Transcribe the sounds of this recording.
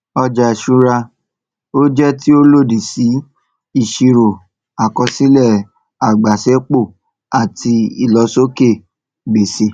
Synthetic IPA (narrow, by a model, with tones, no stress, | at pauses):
ɔ˧d͡ʒa˨ʃu˧ɾa˧ | o˦d͡ʒɛ˦ti˦o˦lo˦˨di˨si˨˦ | i˦˨ʃi˧ɾo˨ | a˨kɔ˧si˦lɛ˦˨ | a˨ɡ͡ba˨sɛ˨˦k͡po˦˨ | a˨ti˧i˨lɔ˧˦so˦ke˦˨ | ɡ͡be˨se˧˦